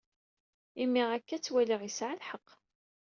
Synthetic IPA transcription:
imːiʁækːæt͡sːwæliʁisʕalħəqː

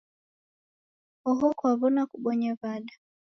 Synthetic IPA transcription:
ɔɦɔkwaβɔnakuɓɔɲaβaɗa

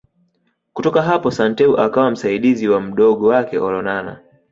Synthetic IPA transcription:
kutɔkaɦapɔsantɛuʔakawam̩saiɗiziwam̩ɗɔɠɔwakɛɔɾɔnana̰

